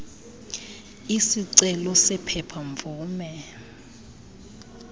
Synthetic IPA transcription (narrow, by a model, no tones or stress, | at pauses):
isiǀɛlɔsɛpʰɛpʰaɱvuːmɛ